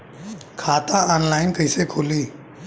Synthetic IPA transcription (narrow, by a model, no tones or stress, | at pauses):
kʰaːt̪aɔːnlaːɪnkəjsekʰoːliː